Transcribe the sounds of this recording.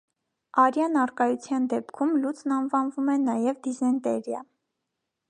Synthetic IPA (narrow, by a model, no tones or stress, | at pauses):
ɑɾjɑnɑrkɑjut͡sʰjɑnd̪ɛpkʰumlut͡sʰnɑnvɑnvumɛnɑjɛvd̪izɑnt̪ɛɾjɑ̰